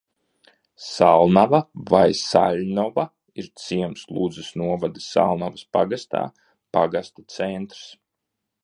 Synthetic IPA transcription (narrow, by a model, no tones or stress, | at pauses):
salˠnavavajsalʲnɔva | iɾt̪siɛmslˠuːd̪zɪsnuɔvad̪i̥sːa̰lˠnavaspaɡast̪a̰ː | paɡast̪ḁt̪sɛnt̪ɾs